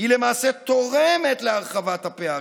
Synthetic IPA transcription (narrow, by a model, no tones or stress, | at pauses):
ile̞maːset̪o̞ʁeme̞t̪leaʁχavat̪hapea